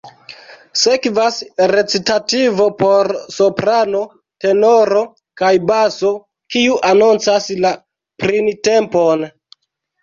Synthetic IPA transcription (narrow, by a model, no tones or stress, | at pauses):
se̞kvasɾe̞t͡sitativo̞po̞ɾso̞pɾano̞ | te̞no̞ɾo̞ | kajbaso̞ | kiuʔanunt͡sasla | pɾinte̞mpo̞n